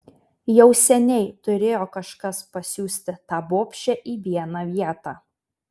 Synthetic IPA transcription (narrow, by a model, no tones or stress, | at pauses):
jɛʊsʲɛnʲɛɪt̪ʊɾʲeːjoːkɐʃkɐspɐsʲuːsʲt̪ʲɪt̪ɑːboːpʲʃʲt͡ʃʲɛʔiːʋʲiɛnɑʋʲiɛt̪ɑː